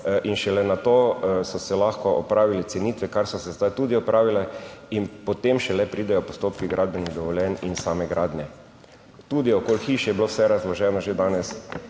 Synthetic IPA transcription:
ʔinʃɛlɛnat̪oːsɔsɛlaxkɔʔɔpɾaːʋilɛsɛniːt̪ʋɛkaɾsɔsɛzd̪ajt̪uːd̪iɔpɾʔaːʋilɛinpɔt̪emʃɛlɛpɾiːd̪ɛjɔpɔst̪oːpkiɡɾʔaːd̪̚bɛniɣd̪ɔʋɔljɛninsaːmɛɡɾʔaːd̪njɛ | t̪uːd̪iɔkoːlxiːʃjɛbilowsɛɾazlɔʒɛnɔʒed̪aːnɛs

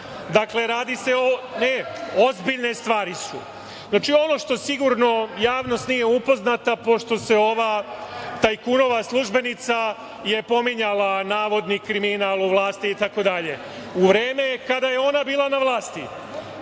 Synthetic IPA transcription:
d̪akle̞ɾaːd̪ise̞one̞ozbiʎne̞st̪ʋaːɾisṵ | znaːt͡ʃio̞no̞ʃt̪o̞siɡuɾno̞jaːʋno̞st̪nije̞upo̞znat̪apo̞ʃt̪o̞se̞o̞ʋat̪ajkuno̞ʋaslˠuʒbe̞nit̪sa | je̞po̞miɲalˠanaːʋo̞d̪nikɾiminalˠuʋlˠaːst̪iːt̪ako̞d̪aʎe̞ | uʋɾe̞ːme̞kad̪aje̞o̞nabiːlˠanaʋlˠaːst̪i

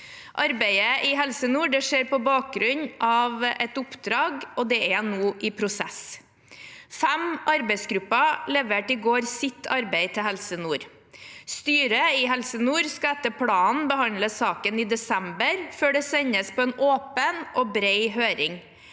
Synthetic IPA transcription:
ʔɑɾbæɪəʔɪɦɛlsənuːɖɛʂeːɾpɔbɑːk̚ɡɾʉɲʔɑʋɛt̪ʊpd̪ɾɑːɡɔd̪ɛɛnoːʔɪpʰɾʊsɛ̰s | fɛmɑɾbɛɪsɡɾʉpːɑlɛʋeːʈɪɡoːɾsɪt̪ʰːɑɾbæɪt̪ʰɪhɛlsənuːɾ | st̪yːɾəɪɦɛlsənuːɾskɑɛt̪ːəpʰlɑːnbəɦɑnləsɑːkənɪd̪ɛsɛmbəɾføːɖɛsɛɲəspʰɔːɛnoːpənʔoːbɾeɪɦøːɾɪŋ

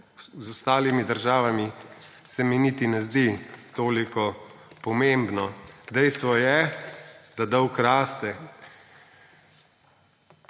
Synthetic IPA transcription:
zɔst̪aːlimid̪əɾʒaːʋami | sɛminit̪inɛzd̪it̪oːlikɔpɔmembnɔd̪ɛjst̪ʋɔjɛ | d̪ad̪ɔwkɾaːst̪ɛ

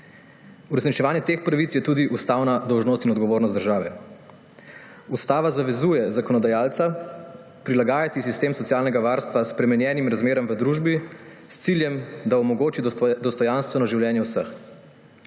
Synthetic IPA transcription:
uɾɛsnit͡ʃɛʋaːnjɛt̪expɾaʋit̪sjɛt̪uːd̪iʔust̪aːwnad̪ɔwʒnoːst̪inɔd̪ɡɔʋoːɾnɔst̪d̪əɾʒaːʋɛ | ust̪aːʋazaʋɛzuːjɛzakɔnɔd̪ajaːlt̪sa | pɾilaɡaːjat̪isist̪eːmsɔt̪jaːlnɛɡaʋaːɾst̪ʋaspɾɛmɛnjɛːnimɾazmeːɾɔmʋəd̪ɾuːʒbi | st̪siljɛmd̪aɔmɔɡoːt͡ʃid̪ɔst̪ɔjanst̪ʋɛnɔʒiwljɛːnjɛwsəx

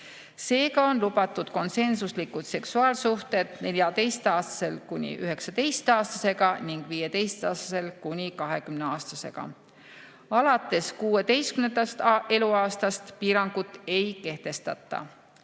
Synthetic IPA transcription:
se̞ːɡɑo̞nlubɑt̪ːˑud̪̥ko̞nse̞nsuslikːut̪se̞ksuɑːlsuht̪e̞d̪̥ne̞lʲjɑt̪e̞jst̪ɑːst̪ɑ̥se̞lkunʲḭʔyɦe̞ksɑt̪e̞jst̪ɑːst̪ɑse̞ɡɑniŋɡ̥viːje̞t̪e̞jst̪ɑːst̪ɑse̞lkunʲikɑɦe̞kymneɑːst̪ɑse̞ɡ̥ɑ̰ | ɑlɑt̪ːˑe̞skuːe̞t̪e̞jst̪kymnend̪ɑst̪e̞luɑːst̪ɑst̪piːɾɑŋɡ̥ut̪ːˑe̞jke̞ht̪e̞st̪ɑ̰t̪ːˑɑ̰

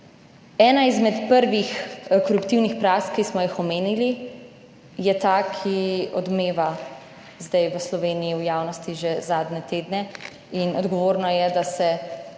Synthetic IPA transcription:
ɛːnaizmɛt̪pəɾʋixkɔɾupt̪iwnixpɾaːskːismɔjixɔmeːnili | jɛt̪akʰiɔd̪meːʋa | zd̪ajʋəslɔʋeːnijiwjaːwnɔst̪iʒezaːd̪nʲɛt̪eːd̪nɛ | inɔd̪ɡɔʋoːɾnɔjɛd̪asɛ

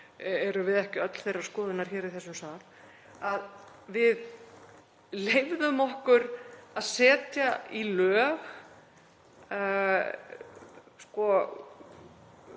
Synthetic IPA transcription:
ɛɾʏvɪðɛhcɪœt̪l̥θejrːaɾ̥skɔːðɪnaɾ̥çɛːɾiθɛsːʏmsaːl | að | vɪð | lejvðʏmɔhkʏɾaðsɛːt̪jailœːɣ | skɔ

